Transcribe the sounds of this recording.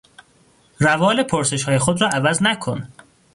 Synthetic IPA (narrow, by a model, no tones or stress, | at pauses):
rævɒːlepʰoɾse̞ʃhɒːjexod̪rɒːʔævæznækʰon